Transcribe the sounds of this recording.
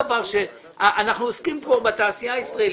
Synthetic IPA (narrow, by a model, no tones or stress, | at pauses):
vaʁʃe̞ | aʔanaχnuoskimpobat̪aːsijaisʁael